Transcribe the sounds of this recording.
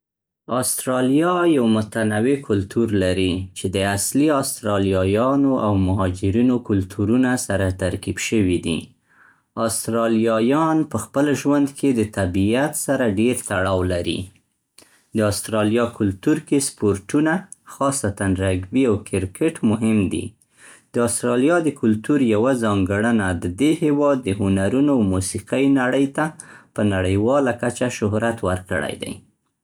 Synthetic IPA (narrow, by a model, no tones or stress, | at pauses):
ɑst̪ɾɑlijɑjawmʊt̪anawekʊlt̪ʰuɾlaɾit͡ʃed̪əasliɑst̪ɾɑljɑjɑnoʔawmʊɦɑd͡ʒɪɾinokʊlt̪ʰuɾunasaɾat̪aɾkibʃəwid̪ḭ | ɑst̪ɾɑlijɑjɑnpəxpəlʒwand̪kʰed̪ət̪abiat̪saɾaɖeɾt̪aɽɑwlaɾḭ | d̪əɑst̪ɾɑljɑkʊlt̪uɾkespoɾʈuna | xɑsat̪anɾaɡbiawkɪɾkʰeʈmʊɦɪmd̪ḭ | d̪̥əɑst̪ɾɑljɑd̪əkʊlt̪uɾjawazɑŋɡəɽənad̪əd̪ehewɑd̪ːəhʊnaɾunoawmusiqəjnaɽəjt̪apənaɽəjwɑlakat͡ʃaʃʊhɾat̪wəɾkə̰ɽa̰jd̪a̰j